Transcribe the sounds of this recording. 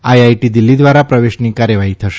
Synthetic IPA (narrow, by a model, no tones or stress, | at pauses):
ajajʈid̪ilːid̪ʋaɾapɾəʋeʃniːkaɾjəʋaɦit̪ʰəʃe̥